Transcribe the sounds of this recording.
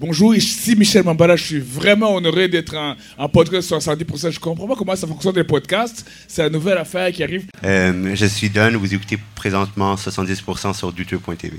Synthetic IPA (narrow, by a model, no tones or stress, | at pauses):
bɔ̃ʒuːʁesimiʃɛlmɑ̃balaʒəsɥivʁɛmɑ̃ɔnɔʁed̪ɛt̪χɛ̃ː | pɔd̪kast̪swasɑ̃t̪d̪ipuʁsɑ̃ʒəkɔ̃pχɑ̃pakɔmɑ̃safɔ̃ŋksjɔnlepɔd̪kast̪ | sɛlanuvɛlafɛʁkʲiaʁivømʒəsɥid̪ɔnvuzeku̥t̪epχezɑ̃t̪mɑ̃swasɑ̃t̪̚d̪ispuʁsɑ̃syʁd̪yt̪øpwɛ̃t̪ḛve